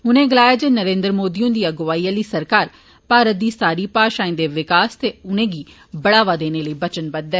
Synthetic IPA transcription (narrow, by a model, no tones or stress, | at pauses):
ɦʊnẽːɡɪlaːjaːd͡ʒeːnəɾẽːnd̪ɾmoːd̪iːõːd̪iːəɡʋaːiːəliːsəɾkaːɾ | paːɾət̪̚d̪iːsaːɾiːpaːʃaːĩnd̪eːʋɪkaːst̪eːʊnẽːɡiː | bəɽaːʋaːd̪eːneːləiːbət͡ʃənbəd̪ɛː